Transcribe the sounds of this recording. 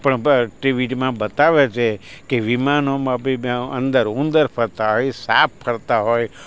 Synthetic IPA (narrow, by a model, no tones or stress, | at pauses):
pəɳʈiʋiʈmãbət̪aʋet͡ʃʰekeʋimanomãbimãə̰̃nd̪əɾũnd̪əɾpʰəɾt̪aɦojsapːəɾt̪aɦoj